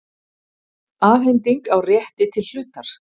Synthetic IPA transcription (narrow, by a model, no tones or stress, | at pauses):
aːfhɛnt̪iŋkawrjɛht̪ɪt̪ʰɪl̥ːʏːt̪aɾ̥